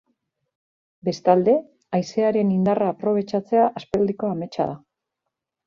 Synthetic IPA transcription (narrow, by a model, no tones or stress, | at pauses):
be̞st̪ald̪e̞ | ajse̞aɾe̞nind̪araːpɾo̞β̞e̞t͡ʃat͡se̞aʔaspeld̪iko̞ame̞t͡ʃa̰ða